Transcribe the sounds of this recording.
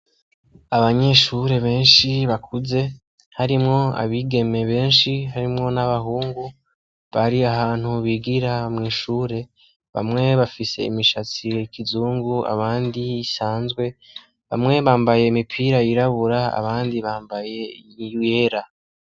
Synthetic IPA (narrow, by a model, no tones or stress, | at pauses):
aβaɲe̞ʃuɾe̞βe̞ːnʃiβakʰuze̞ | haɾimŋo̞a̰βiɡe̞me̞βe̞ːnʃiɦaɾimŋo̞naβaɦuːŋɡu | βaɾiaɦaːn̥huβiɡiɾamŋiːʃuːɾe̞ | βa̰mŋe̞βafise̞̰ḭmiʃat͡siikʰizuːŋɡua̰βaːndiːsaːnzɡwe̞ | βa̰mŋe̞βaːmbaje̞imipʰiːɾajiɾaβuɾaa̰βaːndiβaːmbaje̞juje̞ɾa